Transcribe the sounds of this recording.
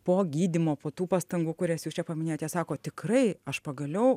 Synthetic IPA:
poːɡʲiːd̪ʲɪmoːpoːt̪uːpɑst̪ɐŋɡuːkʊɾʲɛsjuːst͡ʃʲɛpɐmʲɪnʲejoːt̪jɛsɑːkoːt̪ʲɪkrɐɪɐʃpɐɡɐlʲɛʊ

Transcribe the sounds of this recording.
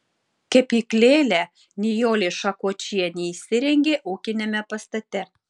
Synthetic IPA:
kʲɛpiːklʲeːlʲɛ | nʲɪjoːlʲeʃɐkoːt͡ʃʲijɛnʲɛisʲɪɾʲɛŋʲɡʲeːʔuːkʲɪnʲɛmʲɛpɐst̪ɐt̪ʲɛ

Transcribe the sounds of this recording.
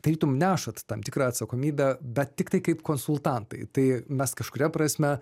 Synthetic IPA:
d̥̪ɐɾʲiːt̪ʊmnʲæːʃɐt̪t̪ɐmt̪ʲɪkɾɑːɐt̪sɐkoːmʲiːbʲɛbʲɛt̪̚tʲɪkt̪ɐɪkɐɪpkoːnsʊlˠt̪ɑnt̪ɐɪt̪ɐɪmʲɛskɐʃkʊɾʲɛpɾɐsʲmʲɛ

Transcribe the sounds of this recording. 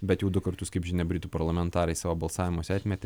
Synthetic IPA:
bʲɛt̪jɛʊd̪ʊkɐɾt̪ʊskɐɪpʒʲɪnʲɛbʲɾʲɪt̪uːpɐɾlˠɐmʲɛnt̪ɑːɾɐɪsɑːʋoːbɐlˠsɑːʋʲɪmoːsʲɑːt̪ʲmʲɛt̪ʲɛ

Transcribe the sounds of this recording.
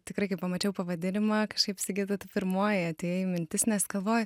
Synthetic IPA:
t̪ʲɪkɾɐɪkɐɪpɐmɐt͡ʃʲɛʊpɐʋɐd̪ʲɪnʲɪmɑːkɐʃkɐɪpsʲɪɡʲiːd̪ɐt̪ɐpʲɪɾmoːjɪɐtʲeːjɛjmʲɪnʲt̪ʲɪsnʲɛsɡɐlˠʋoːjʊ

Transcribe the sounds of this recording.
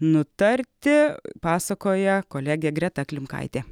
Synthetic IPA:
nʊt̪ɐɾʲt̪ʲɪpɑːsɐkoːjɛkoːlʲæːɡʲeːɡɾʲɛt̪ɐklʲɪmkɐ̰ɪt̪ʲeː

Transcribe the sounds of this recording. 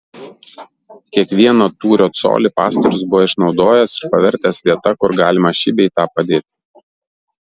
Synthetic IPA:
kʲiɛkʋʲiɛnoːt̪uːɾʲoːt̪so̰ːlʲɪˑpɑ̰ːst̪ɔɾʲʊsbʊʋoːɪʃnɒʊd̪oːjɛsɪɾpɐʋʲɛɾʲt̪ʲɛsʋʲiɛt̪ɐkʊɾɡɑːlʲɪmɐʃʲɪbʲɛit̪ɑːpɐd̪ʲeːt̪ʲ

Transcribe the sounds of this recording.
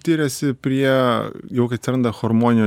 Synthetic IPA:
t̪ʲiːɾʲɛsʲɪpʲɾʲiɛjɛʊkɐɪɐt̪sʲɪɾɐnd̪ɐxɔɾmoːnʲɪnʲː

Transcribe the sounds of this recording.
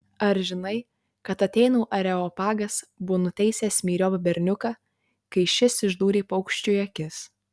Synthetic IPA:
ɐɾʒʲɪnɐɪ | kɐt̪ɐt̪ʲɛɪnuːʔɐɾʲɛɔːpɑːɡɐsbʊnʊt̪ʲɛɪsʲeːsʲmʲiːɾʲoːpɐbʲɛɾʲnʲʊkɑː | kɐɪʃʲɪsɪʒd̪uːɾʲeːpɐʊkʃʲt͡ʃʲʊjɐkʲɪs

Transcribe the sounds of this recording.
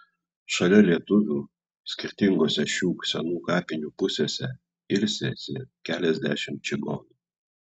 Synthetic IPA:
ʃɐlʲɛlʲiɛt̪ʊʋʲuː | sʲkʲɪɾʲt̪ʲɪŋɡoːsʲɛʃʲuːksʲɛnuːkɑːpʲɪnʲuːpʊsʲeːsʲɛ | ɪlʲsʲesʲɪkʲæːlʲɛzʲd̪ʲæ̰ʃʲɪmt͡ʃʲɪɡɔnu

